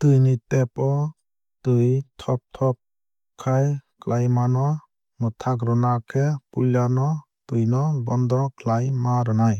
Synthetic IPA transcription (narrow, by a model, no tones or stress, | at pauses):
t̪ɯjnitepɔ | tɯjtʰɔp̚tʰɔp̚ | kʰajklʔajmanɔ | mɔt̪ʰaɡɾɔnakʰepulanɔ | tɯjnɔbɔnd̪ɾɔkʰlajmaɾɔnaj